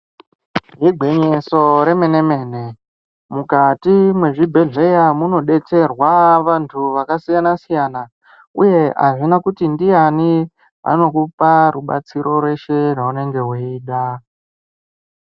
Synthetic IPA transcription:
ɦiɡʱe̞ɲeso̞ɾe̞me̞ne̞me̞ːne | mukatimwe̞ʐibʱe̞ɮe̞jamuno̞ɗe̞t͡se̞rwaʋantʰuʋakasijanasijana | uje̞ɦa̰ʐinakutindijani | a̰no̞kuparuɓa̰t͡siɾo̞rwe̞ʃe̞rwaune̞ŋɡe̞ɦwuiːɗa

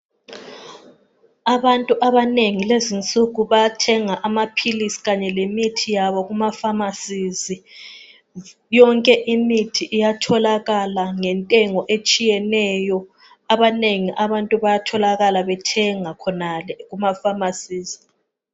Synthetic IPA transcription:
aβantʼuʔaβaneŋilezint͡sʼuɣuβatʰɛŋaʔamapʰilisi̥ɣaɲɛlemitʰijaβɔɣumafamasizi | jɔŋkʼɛʔimitʰiʔijatʰɔlaɣalaŋɛntʼɛŋɔʔet͡ʃʼijɛnɛːjɔ | aβaneŋiʔaβantʼuβajatʰɔlaɣalaβɛtʰɛŋakʰɔnalɛɣumafamasiːzi

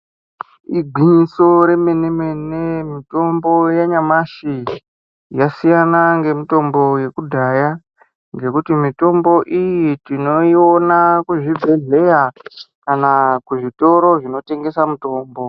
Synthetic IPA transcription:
iɡʱwiɲiso̞ɾe̞me̞neme̞nemito̞mbo̞jaɲamaʃi | jasijanaŋɡe̞mito̞mbo̞je̞kudʱaja | ŋɡekutimito̞mbo̞ʔijitino̞io̞nakuʐibʱe̞ɮe̞jakanakuʐito̞ɾo̞ʐino̞te̞ŋɡe̞samuto̞ːmbo̞

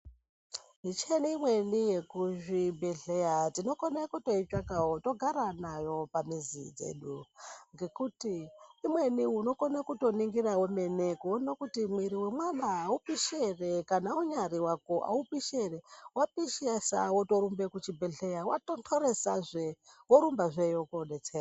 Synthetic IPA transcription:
mit͡ʃenimwe̞nije̞kuʐibʱe̞ɮejatino̞konekuto̞it͡ʃakawoto̞ɡʱaɾanajo̞pamizḭd͡ze̞̰ːɗuŋɡe̞kutiːmwe̞niuno̞konakuto̞niŋɡiɾawome̞nekonokutimwiɾiwe̞mwanaːupiʃere̞kanauɲaɾiwakoʔa̰upiʃerewapiʃasa̰woto̞ɾumbe̞kut͡ʃibʱeɮe̞jawatontʰoɾe̞saʐewoɾumbaʐejokonet͡sera

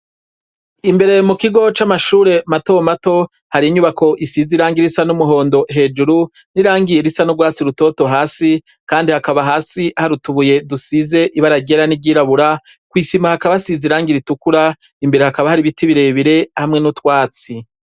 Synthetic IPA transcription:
imbe̞ɾe̞mukiɡo̞t͡ʃamaʃuːɾe̞mato̞mato̞ | haɾiiɲuβakʰo̞ʔisiziɾaːŋɡiɾisanumuɦo̞ːndo̞ɦe̞ːd͡ʒuɾu | niɾaːŋɡijeɾisanuɡwaːt͡siɾuto̞ːto̞ɦaːsi | kaːndihakaβaɦaːsiʔahaɾutuβuje̞dusize̞ʔiβaɾaɡɟeɾanibɟiːɾaβuɾa | kwiːsimahakaβasiziɾaːŋɡiɾitukuɾa | imbe̞ɾe̞hakaβahaɾiβitiβiɾeiβiɾe̞hamŋe̞nutwaːt͡si

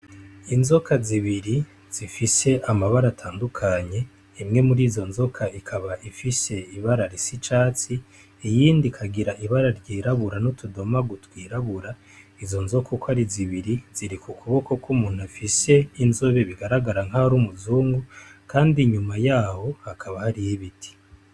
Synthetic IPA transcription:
inzo̞kaziβiɾi | z̥ifise̞ʔamaβaɾatʰaːndukʰaɲe̞ː | mŋe̞muɾiːzo̞nzo̞kʰaʔikʰaβaʔifise̞iβaɾaɾisit͡ʃaːt͡siː | jiːndikʰaɡiɾaʔiβaɾaɾɟiːɾaβuɾanutudo̞maɡutwiːɾaβuɾa | izo̞nzo̞kukaɾiziβiɾiz̥iɾikʰukuβo̞ko̞kʰumuːn̥huafise̞inzo̞βe̞βiɡaɾaɡaɾaŋ̥haɾumuzuːŋɡukaːndiɲumajaːho̞hakʰaβahaɾijeβitʰi̥

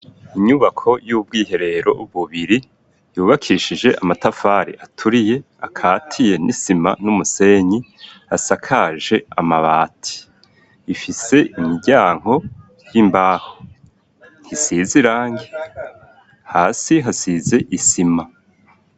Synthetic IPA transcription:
iɲuβakʰo̞jub̚ɡiːɦe̞ɾe̞ɾo̞̰uβuβiɾi | juːβakʰiʃid͡ʒe̞ʔamatafaɾḭʔatʰuɾije̞ | akʰaːtʰije̞nḭsima̰numuse̞ɲiasakʰaʒe̞amaβaːtʰi̥ | ifise̞ʔimiɟaːŋ̥ho̞ | jimbaːho | n̥hisiziɾaːŋɡe | haːsiɦasize̞ʔisima

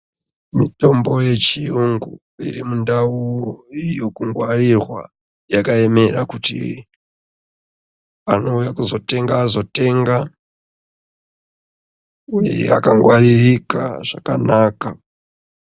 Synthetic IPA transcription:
mito̞mbo̞je̞t͡ʃijuŋɡu | ḭrimundaujo̞kuŋɡwarirwa̰ | jakae̞me̞rakutḭ | ano̞ujakuzo̞te̞ŋɡaːzo̞te̞ŋɡa | uje̞a̰kaŋɡwaririka̰ʐ̥akanaːka

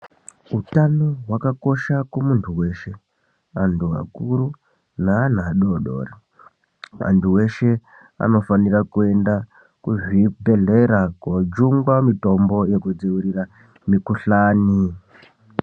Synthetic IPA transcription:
utanoɦwakako̞ʃakumuntʰuwe̞ʃe̞ | antʰua̰kuɾu | naːn̤aɗoɗo̞̰ːri | a̰ntuwe̞ʃe̞ | a̰no̞fanirakue̞nda | kuʐibʱe̞ɮe̞ɾakod͡ʒuŋɡwamito̞mbo̞je̞kud͡ziuɾira | mikuɬaːni

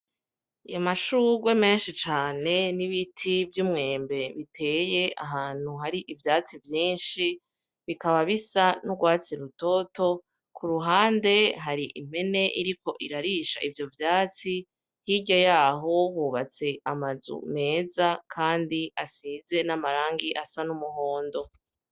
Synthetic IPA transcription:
ijamaʃuɡwe̞me̞ːnʃit͡ʃaːne̞niβitʰivjuːmŋe̞ːmbe̞βitʰe̞ːje̞a̰ɦaːn̥huɦaɾiʔivjaːt͡sivjiːnʃi | βikaβaβisanuɡwaːt͡siɾuto̞to̞ | kʰuɾuɦaːnde̞ɦaɾiʔim̥e̞ne̞ʔiɾiko̞ʔiɾaɾiːʃa̰ʔivjo̞vjaːt͡si | hiɟojaːɦo̞βuːβat͡se̞amazṵme̞ːzakʰaːndiasiːze̞namaɾaːŋɡiʔasanumuho̞ːndo̞

